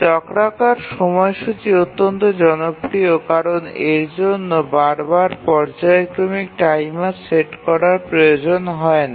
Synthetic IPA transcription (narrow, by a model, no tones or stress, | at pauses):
t͡ɕɔkɾakaɾʃɔmɔeʃut͡ɕiot̪ːont̪od͡ʑɔnopɾiokaɾoneɾd͡ʑonːobaɾbaɾpɔɾd͡ʑaekɾomikʈajmaɾseʈkɔɾaɾpɾojod͡ʑonɦɔen